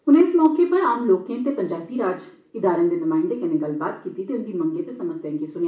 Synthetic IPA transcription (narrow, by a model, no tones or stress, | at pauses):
ʊnẽːɪsmɔːkepəɾaːmloːkẽːt̪eːpəɲd͡ʒaːbiːɾaːd͡ʒ | ɪd̪aːɾãːd̪eːnɪmaːɪnd̪eːkɪneːɡəlbaːt̪kiːt̪iːt̪eːʊnd̪iːmə̃ŋɡeːt̪esəməsjãkesʊnja